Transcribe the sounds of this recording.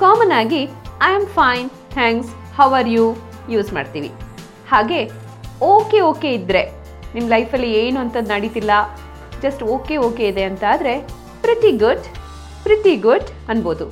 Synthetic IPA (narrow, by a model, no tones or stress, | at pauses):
kaːmɐnaːɡiɐjɐmfɐjn | t̪ʰæːŋks | hɐwɐɾjuː | juːzma̰ːɖt̪iːʋḭ | haːɡe̞ | oːke̞oːke̞id̪ɾe̞ | nimːlɐjpʰɐlːieːnuɐnt̪ɐd̪nɐɽit̪ilːɐ | d͡ʒɐsʈoːke̞oːkeid̪e̞ɐnt̪aːd̪ɾe̞ | pɾit̪iɡuɖ | pɾit̪iɡuɖ | ɐnbo̞ːd̪u